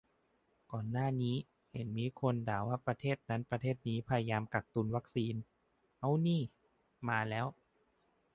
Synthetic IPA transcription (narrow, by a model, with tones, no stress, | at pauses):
kɔː˨˩nːaː˥˩niː˦˥ | he˩˦nmiː˧˥kʰo˧ndaː˩˦waː˥˩pɾa˧t̪ʰeː˥˩t̪̚na˦˥npɾa˧t̪ʰeː˥˩t̪̚niː˦˥pʰa˧ja˧jaː˧mka˨˩k̚t̪u˧nwa˦˥k̚siː˧n | ʔa˧˥˩wniː˥˩ | maː˧lɛː˦˥w